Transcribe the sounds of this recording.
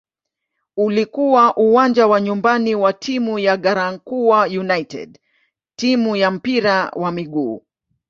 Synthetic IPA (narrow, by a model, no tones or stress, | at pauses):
ulikuwaʔuwand͡ʒawaɲumbaniwatʰimujaɠaɾaŋ̩kuwajunajtɛ̰d | timujam̩piɾawamiɠuː